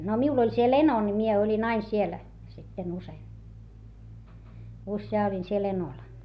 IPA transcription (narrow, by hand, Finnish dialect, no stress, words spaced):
no miul olʲ siel eno ni mie olʲin ɑin siel sitːen usei usjɑː olʲin siel enol